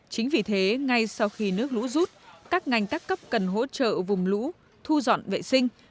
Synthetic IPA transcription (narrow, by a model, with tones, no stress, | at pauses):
t͡ɕï˨˦ŋ̟vi˨˩t̪ʰe˨˦ŋa˧jsa˧wxi˧nɨ˦˥ək̚lṵ˧˥zu˦˥t̚kaː˦˥k̚ŋa˨˩jŋ̟kaː˦˥kːə˦˥p̚kə˨˩nɦo̰˧˥t͡ɕə̰ː˧˨vʊ˨˩ŋ͡mlṵ˧˥ | t̪ʰu˧zɔ̰˧˨nvḛ˧˨sï˧ŋ̟